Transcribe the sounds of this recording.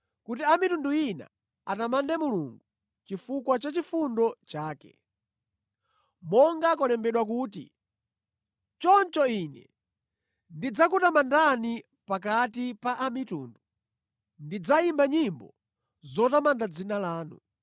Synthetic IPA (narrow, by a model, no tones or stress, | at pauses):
kutiamitunduina̰ | atamandɛmuluŋɡu | t͡ʃifukwat͡ʃat͡ʃifundɔt͡ʃaːkɛ̰ | mɔŋɡakɔlɛmbɛɗwak̬uːtḭ | t͡ʃɔnt͡ʃɔinɛ̰ | ndid͡zakutamandani | pak̬atipaʔamitṵːndu | ndid͡zaimbaɲimbɔ | zɔtamandad͡zinalaːnṵ